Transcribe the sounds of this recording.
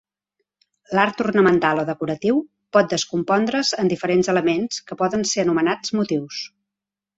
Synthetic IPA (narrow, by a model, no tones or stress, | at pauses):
laɾt̪urnəmənt̪alˠoðəkuɾət̪iw | pɔt̪̚d̪əskumpɔnd̪ɾəzənd̪ifəɾenzələmenskəpɔðənseənumənad͡zmut̪iws